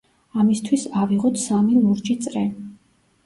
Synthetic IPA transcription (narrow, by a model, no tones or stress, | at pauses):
amist̪ʰwisaviʁɔt̪ʰsamilˠuɾd͡ʒit̪sʼɾɛ